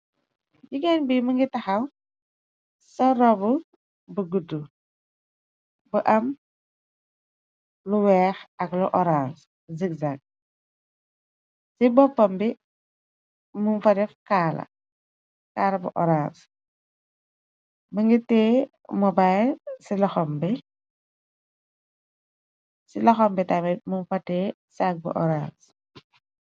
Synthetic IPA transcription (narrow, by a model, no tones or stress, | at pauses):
ɟiɡɛnbimɐŋɡitɐxɐw | sɐrɔbu | buɡudu | bəʔɐm | luwɛːxɐkluʔɔɾans | zikzak̚ | sibɔpːɐmbi | mumfɐtefkaːlɐ̰ | kaːlɐbṵʔɔɾans | məŋɡiteː | mɔbajlsilɔxɔmbi | silɔxɔmbitamɛmunfɐte | sak̚bṵʔɔ̰ɾans